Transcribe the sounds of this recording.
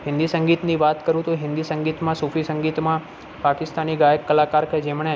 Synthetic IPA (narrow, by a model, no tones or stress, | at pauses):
ɦɪ̃nd̪isəŋɡit̪niʋat̪kəɾũt̪oɦɪ̃nd̪isəŋɡit̪mãsufʰisəŋɡit̪mã | pakɪst̪aniɡajəkːəlakaɾked͡ʒemɳe